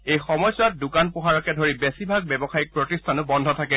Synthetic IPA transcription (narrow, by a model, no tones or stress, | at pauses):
ejxɔmɔjswat̚dʊkanpɔɦaɹɔkɛdʱoɹibesibʱaɡ̚bɛbɔxaik̚pɹotistʰanʊbɔndʱɔtʰakɛ